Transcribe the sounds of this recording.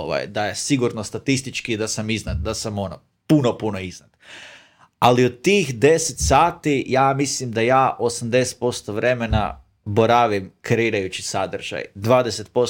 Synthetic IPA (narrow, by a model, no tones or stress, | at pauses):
ʋa̰jd̪aje̞siɡuɾnost̪at̪ist̪it͡ʃkid̪asamiznad̪̚d̪asamo̞no | punopunoiznad̪̥ | aliod̪t̪ːiːxd̪e̞set̪saːt̪ijaːmislimd̪ajaːʔo̞samd̪e̞set̪po̞st̪o̞ʋɾʔe̞me̞na̰ | boɾaʋimkɾe̞iːɾajut͡ʃisad̪r̩ʒ̥a̰jd̪ʋaːd̪eset̪̚po̞